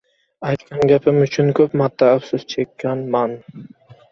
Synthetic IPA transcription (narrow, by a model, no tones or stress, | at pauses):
ɑjt̪kɑnɡʲapʰɪmyt͡ʃʰynkʰɵpmɑt̪ːaːwsɪzt͡ʃʰekʲːanman